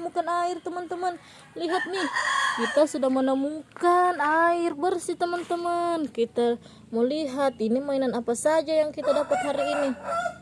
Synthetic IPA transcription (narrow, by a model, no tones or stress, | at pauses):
mukanairt̪əmant̪əmən | liɦat̪̚nihkit̪asudahmənəmukanairbərsit̪əmənt̪əmənkit̪a | moliɦat̪inimainanapasad͡ʒajaŋkit̪adapat̪̚ɦaɾiːni